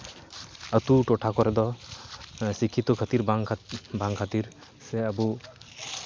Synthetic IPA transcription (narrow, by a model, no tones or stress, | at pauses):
ət̪uʈɔʈʰakɔɾɛd̪ɔ | sikʰit̪ɔkʰət̪iɾaŋʰbãŋkʰat̪iɾ | sɛəbu